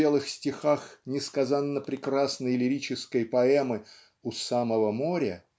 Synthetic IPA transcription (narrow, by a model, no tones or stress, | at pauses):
elˠɨxsʲtʲɪxaxnʲɪskazanːəpɾʲɪkrasnəjlʲɪɾʲit͡ɕɪskəjpɐɛmɨ | ʊsaməvəmoɾʲə